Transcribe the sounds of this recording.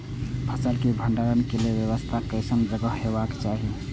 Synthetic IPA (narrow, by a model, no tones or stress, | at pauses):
bʰʱət͡ʃəlkebʱəɳɖaɾənkeleʋjəβəst̪ʰakəɪsənd͡ʒəɡəɦɦebakt͡ʃaɦi